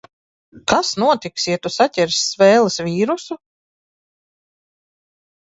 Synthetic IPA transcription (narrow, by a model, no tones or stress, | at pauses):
kasnuɔt̪iksiɛt̪usatʲɛɾsːvɛːlˠɐsviːɾusu